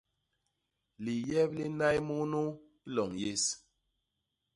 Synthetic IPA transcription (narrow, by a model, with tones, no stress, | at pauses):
li˨jɛ˦p̚li˦na˦jmu˦nu˦ | i˦lɔ˨ŋje˦s